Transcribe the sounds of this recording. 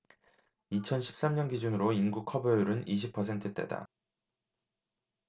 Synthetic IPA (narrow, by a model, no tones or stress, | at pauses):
it͡ɕʰʌnɕʰi̥p̚s͈amɲʌnɡid͡ʑunɯɾoinɡukʰʌbʌjuɾɯniɕ̬ʰipʰʌs̬ʰe̞ntʰɯt͈e̞̰da̰